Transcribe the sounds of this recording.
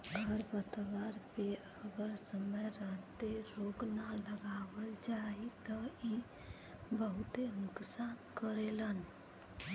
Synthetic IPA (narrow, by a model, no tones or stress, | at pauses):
əɾbət̪ʋaɾpe | əɡəɾsəməjɾəɦt̪eɾoɡnaləɡabəld͡ʒait̪ɔi | bəɦut̪enʊksaːnkəɾelən